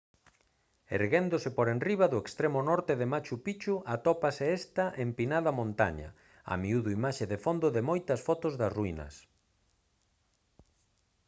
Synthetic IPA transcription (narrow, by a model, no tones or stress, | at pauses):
ḛɾɣend̪osɪpoɾenriβɐðʊekst̪ɾemʊnɔɾt̪eðemat͡ʃupit͡ʃuʔat̪ɔpaseest̪ɐʔempinaðɐmõnt̪a̰ɲɐ̰ | a̰miuðʊimaʃeðefond̪ʊðɪmojt̪ɐsfɔt̪ozðɐsruinɐ̰s